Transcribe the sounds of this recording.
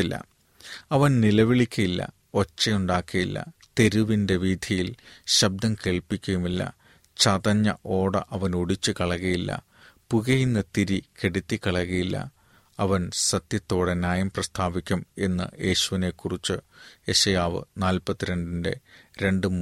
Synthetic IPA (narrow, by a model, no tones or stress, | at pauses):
ilːɐ̰ | ɐʋɐnnilɐʋiɭikʲːɐjilːɐ̰ | o̞t͡ɕːɐjuɳɖaːkːɐjḭlːɐ̰t̪e̞ɾuʋinde̞ʋiːd̪ʱjijilɕɐb̚d̪ɐmke̞ːɭpikʲːujumilːɐ̰ | t͡ɕɐðɐɲːɐ̰ʔo̞ːɽɐ̰ʔɐʋɐnoɽit͡ɕːɨkɐɭɐɣɐjilːɐ̰ | puɣɐjinːɐt̪iɾikeɽit̪ːikːɐɭɐɣɐjilːɐ̰ | ɐʋɐnsɐt̪jɐt̪ːo̞ːɽenaːjɐmprɐst̪ʰaːbikʲːume̞nːɨ̰je̞ːɕuʋine̞kːurit͡ɕːɨeɕɐjaːʋɨ̰naːlpɐt̪ːiɾe̞ɳɖinde̞̰ɾe̞ɳɖɨm